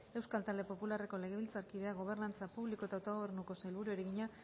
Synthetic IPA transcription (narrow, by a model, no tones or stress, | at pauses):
e̞wskalt̪ald̪e̞po̞pulare̞ko̞le̞ɣ̞e̞βilt͡saɾkið̞e̞aɣo̞β̞e̞rnant͡sapuβlikot̪aowt̪o̞ɣ̞o̞βe̞rnuko̞sajlβuɾue̞ɾeɣiɲa